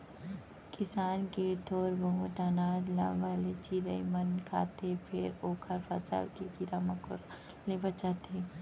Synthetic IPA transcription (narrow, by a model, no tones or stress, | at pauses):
kɪsaːnket̪ʰoːɾbəɦõt̪aːnaːd͡ʒ̪la̰ʋaːlet͡ʃiːɾəimɐnkʰa̰ːt̪ʰepʰɪɾoːkʰəɾpʰɐ̰sə̰lkeɡɪɾaːməkoɾ | lebət͡ʃaːt̪ʰe